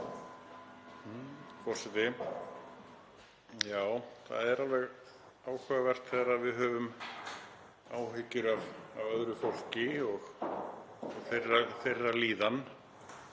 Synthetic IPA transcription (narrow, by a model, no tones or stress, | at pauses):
h̩fɔr̥sɛt̪ɪ | jaːwθa̰ðɛɾalvɛɣ | aːwkʰvɛːɣavɛr̥t̪θɛɾaðvɪðɦœːvʏm | aːwɦɪcʏɾavavœðɾʏfowl̥cɪɔɣ | ferafejrːaliːðan